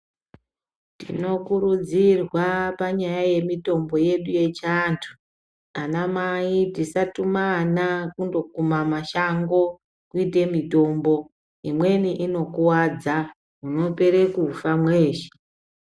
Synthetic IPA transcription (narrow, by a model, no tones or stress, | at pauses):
tḭno̞kurud͡zirwapaɲajaje̞mito̞mbo̞je̞ɗuje̞t͡ʃantʰu | anamaitisatumanakundo̞kumamaʃaŋɡo̞ | kuite̞mito̞mbo̞ | imwe̞niʔino̞kuwad͡za | uno̞pe̞ɾekuːfamwe̞ːʃe̥